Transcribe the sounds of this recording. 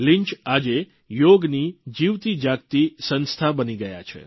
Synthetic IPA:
lɪɲt͡ʃad͡ʒe | joɡnid͡ʒiʋt̪id͡ʒak̚t̪isənst̪ʰabəniɡəja̰t͡ʃʰḛ

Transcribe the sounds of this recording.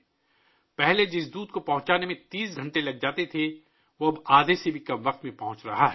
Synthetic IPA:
pɛɦled͡ʒɪsd̪uːd̪kopɐɦʊ̃t͡ʃaːnemẽt̪iːsɡʱɐ̃ɳʈelɐɡ̚d͡ʒaːt̪et̪ʰe | ʋoɐbaːd̪ʱesebʱikɐmʋɐq̚t̪mẽpɐɦʊ̃t͡ʃɾɐɦaɦɛ

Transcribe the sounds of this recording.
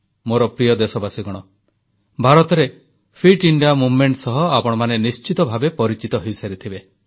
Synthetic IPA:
moɾɔpɾijɔd̪esɔbasiɡɔɽ̃ɔ | bʱaɾɔt̪ɔɾe | pʰiʈiɳɖijamubmeɳʈsɔɦɔapɔɽ̃ɔmanenist͡ʃit̪ɔbʱabepɔɾit͡ʃit̪ɔɦewsaɾit̪ʰibe

